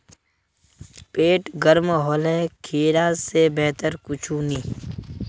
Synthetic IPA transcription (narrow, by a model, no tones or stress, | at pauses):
peːʈɡəɾmɦoːlekʰiːɾaːsebɛɦt̪əɾkʊt͡ʃʰuːniː